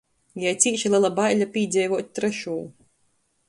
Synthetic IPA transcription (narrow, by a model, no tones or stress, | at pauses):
jajt̪sʲiːʃilˠʲilˠabajlʲapʲiːd̪zʲɛjvuɔt̪̚ʲt̪ɾɛʃuː